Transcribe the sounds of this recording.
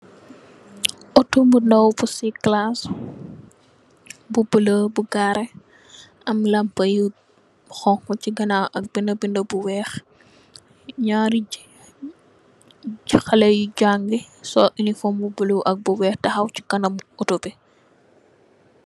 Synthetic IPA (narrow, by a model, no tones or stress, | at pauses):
ɔtumbundɐwbusiklas | bubələbuɡaɾɛ | ɐmlɐmpɐju | xɔŋkɔciɡɐnaʔɐk̚bindɐbindɐbuwɛːx | ɲaːɾi | ixɐlɛjuɟaŋɡisɔʔinifɔmubəluwʔɐk̚buwɛːxtɐxɐwt͡ʃi̥kɐnɐmutupi